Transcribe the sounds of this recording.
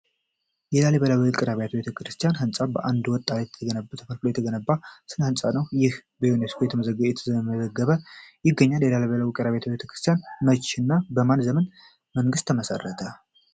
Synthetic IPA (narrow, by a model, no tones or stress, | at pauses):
jɛlaleβəlawikʼɨɾaβejat̪bet̪ʰəkɾɨst̪ʰijanɦɨnsʼabəʔand̪wɔt̪ʼːalet̪ʰːəɡənəbt̪ʰəfəɾkloɛt̪ʰəɡənəbːasɨnhɨnsʼanəwjɪhbəjoneskʰojɛt̪ʰəməzəɡjɛt̪ʰəzəməzəɡːəβəjɪɡːəɲːaljɛlaleβəlawikʼɾaβejat̪ʰbet̪ʰəkɾɨ̥st̪ʰjanmət͡ʃːɪnːabəmanzəmən | məŋɡɨst̪ʰːəməsə̰rːət̪ʰə